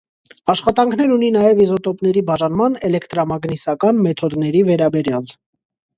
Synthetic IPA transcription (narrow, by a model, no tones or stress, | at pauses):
ɑʃχɑt̪ɑŋkʰnɛɾuninɑjɛvizɔt̪ɔpnɛɾibɑʒɑnmɑnɛlɛkʰt̪ɾamɑɡnisɑkɑnmɛt̪ʰɔd̪nɛɾivɛɾɑbɛɾjɑl